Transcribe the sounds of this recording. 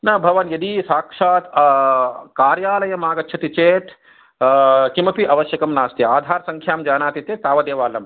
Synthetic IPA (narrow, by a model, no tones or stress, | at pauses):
nɐbʱɐʋɐnjɐd̪isaːkʂaːt̪ | kaːɾjaːlɐjɐmaːɡɐt̪ːt͡ʃʰɐt̪it͡ʃeːt̪ʰ | kimɐpiʔɐʋɐʃjɐkɐmnaːst̪jɐaːd̪ʱaːɾɐsɐŋkʰjaːmd͡ʒaːnaːt̪it̪jeːt̪aːʋɐd̪eːʋaːlɐm